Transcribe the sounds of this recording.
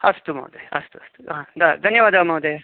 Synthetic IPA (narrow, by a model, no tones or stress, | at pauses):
ɐst̪umɐ̰wd̪ɐjɐ̰st̪uɐst̪u̥ad̪ɐd̪ʱɐnjɐʋaːd̪amɐwd̪e